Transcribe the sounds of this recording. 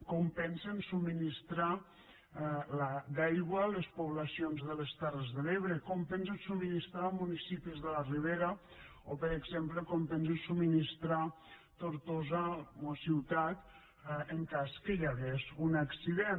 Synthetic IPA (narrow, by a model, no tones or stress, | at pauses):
kɔmpɛnsensumːinist̪ɾa | lad̪ajɣwaləspuβlasionzðələst̪ɛrəzðəleβɾekɔmpɛns̬ensuminist̪ɾamunisipizðələriβ̞eɾa | opəɾəɡzempləkɔmpɛns̬ensuminist̪ɾa | t̪oɾt̪ozaosiwt̪at̪ | əŋkaskəjaɣezunaksiðen